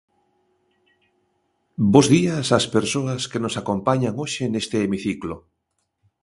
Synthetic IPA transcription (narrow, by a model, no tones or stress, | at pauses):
bozðiasaspeɾsoaskenosakompaɲaŋoʃenest̪eːmiθiklo